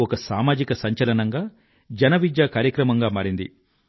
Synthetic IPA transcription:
ɔkɐsaːmaːd͡ʒikɐsɐɲt͡ʃɐlɐnɐŋɡaː | d͡ʒɐnɐʋid̪jaːkaːɾjɐkɾɐmɐŋɡaːmaːɾind̪ḭ

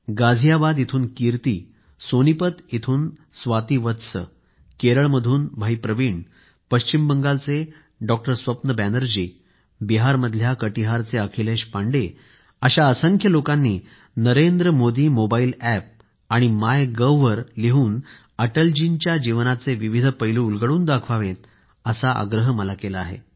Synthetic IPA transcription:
ɡad͡zʱijabad̪it̪ʰuːnkiɾt̪iː | sonipət̪it̪ʰuːn | sʋat̪iːʋət̪sə̰ | keɾəɭməd̪ʱuːnbʱəjpɾəʋiɳ | pəɕt͡ɕimbəŋɡalt͡se | ɖɔk̚ʈəɾsʋəpnəbænəɾd͡ʑiː | biɦaɾməd̪ʱjakəʈiɦaɾt͡seəkʰileɕpaɳɖe | əɕaəsəŋkʰjəlokanːiː | nəɾend̪ɾəmod̪iːmobailæp̚ | aɽ̃imajɡəʋʋəɾliɦuːn | əʈəld͡ʑint͡ɕjad͡ʑiʋnat͡seʋiʋid̪ʱpəjluulɡəɽuːnd̪akʰʋaʋet̪̚ | əsaʔa̰ɡɾəɦməlakelaaɦḛ

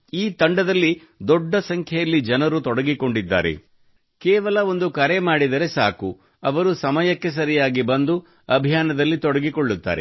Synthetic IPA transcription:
iːt̪ɐɳɖɐd̪ɐlːi | d̪ɔɖːɐsɐŋkʰjɐjɐlːid͡ʒɐnɐɾut̪ɔɽɐɡiko̞ɳɖid̪ːa̰ːɾḛ | kɛːʋɐlɐo̞nd̪ukɐɾemaːɽid̪ɐɾe̞saːku | ɐʋɐɾusɐmɐjɐkːe̞s̬ɐɾijaːɡibɐnd̪u | ɐbʱijaːnɐd̪ɐlːit̪ɔɽɐɡikoɭːut̪ːa̰ːɾḛ

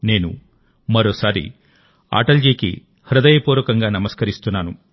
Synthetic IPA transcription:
ne̞ːnṵ | mɐɾoːsaːɾḭ | a̰ːʈɐlɡikḭ | hɾɐd̪ɐjɐpuːɾʋɐkɐŋɡaːnɐmɐskɐɾist̪unːaːnu

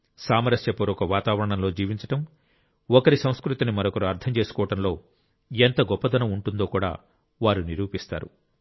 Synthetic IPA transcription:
saːmɐɾɐsjɐpɐɾɔkɐʋaːt̪aːʋɐɾɐɳɐmlo̞ːd͡ʒiːʋiɲt͡ʃɐ̥ʈɐm | ɔkɐɾisɐ̃w̃skɾut̪inimɐɾokɐɾuɐɾt̪ʰɐmt͡ʃe̞ːsu̥kɔːʋɐʈɐmlo̞ː | ent̪ɐɡɔpːɐd̪ɐnɐmuɳʈund̪o̞ːkuːɽa̰ː | ʋaːɾuniɾuːpist̪a̰ːɾṵ

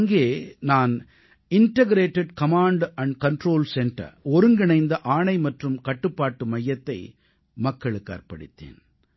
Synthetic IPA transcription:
ŋɡeːnaːn | ɪnʈɐɡɾeːʈːɛɖkɐmaːɳɖɐɳɖkɐɳʈɾoːlsɛnʈɾɐ̰ɔɾɯŋɡɪɳɐɪnd̪ɐʔaːɳɐɪmɐʈrɯmkɐʈːɯpːaːʈːɯmɐjːɐt̪ːɐɪ | mɐkːɐɭɯkːa̰ːɾpɐɽɪ̰t̪ːḛːn

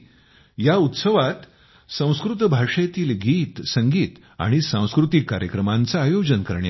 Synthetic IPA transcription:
jaut̪səʋat̪ | sə̃w̃skɾut̪bʱaʂet̪iːlɡiːt̪səŋɡiːt̪ | a̰ɽ̃isãw̃skɾut̪ikːaɾjəkɾəmant͡saːjod͡ʑənkəɾɳja

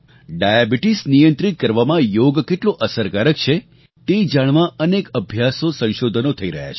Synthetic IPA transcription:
ɖajabiʈisnijənt̪ɾit̪̚kəɾʋamãjoɡkeʈloʔəsəɾkaɾək̚t͡ʃʰe | t̪ed͡ʒaɽ̃ʋãənekəbʱjasosə̃ʃod̪ʱənot̪ʰəiɾə̰ɦja̰t͡ʃʰe̥

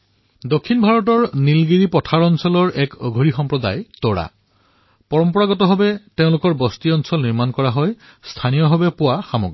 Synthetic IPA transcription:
dokʰːinbʱaɹɔtɔɹnilɡiɹipɔtʰaɹɔnsɔlɔɹʔɛkɔɡʱoɹixɔmpɹɔda̰jtɔɹa̰ | pɔɹɔmpɔɹaɡɔtɔɦɔbɛteʊ̃lʊkɔɹbɔstiɔnsɔlniɹmankɔɹaɦɔj | stʰanijɔɦɔbɛpʊwaxamo̰ɡi

